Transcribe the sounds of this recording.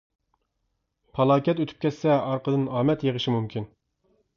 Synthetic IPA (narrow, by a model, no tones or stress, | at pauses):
pʰɑlˠɑːkʲɛt̪øt̪ʰy̥p̚kʲʰɛsːɛɑɾqʰəd̪ɨnɑːmɛt̪jeʁəʃimumkʲʰin